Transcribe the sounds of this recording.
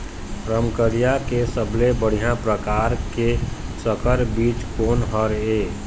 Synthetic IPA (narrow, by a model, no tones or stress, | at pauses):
ɾəmkəɾijakesəblebəɽ̤ijãpɾəkaːɾkesəkəɾbiːt͡ʃkoːnɦəɾeː